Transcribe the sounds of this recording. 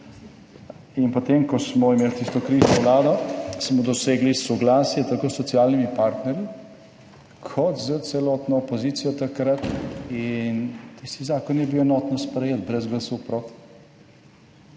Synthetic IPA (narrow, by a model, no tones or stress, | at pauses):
inpɔt̪emkɔsmɔimeːlt̪ist̪ɔkɾisnɔʋlaːd̪ɔsmɔd̪ɔseːɡlisɔɡlaːsjɛt̪akoːsːɔt̪sialnimipaːɾt̪nɛɾji | kʰɔt̪zət̪sɛlɔːt̪nɔːpozit̪sijɔt̪akɾat̪int̪ist̪izaːkɔnjɛbiwɛnɔt̪nɔspɾɛjeːt̪bɾɛzɡlɐsɔwpɾot̪i̥